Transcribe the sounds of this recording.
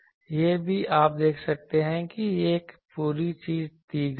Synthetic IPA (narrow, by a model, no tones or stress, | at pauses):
jebʱiaːp̚d̪eːkʰsɐk̚t̪eɦɛ̃kieːkpuːɾit͡ʃiːzt̪iːɡ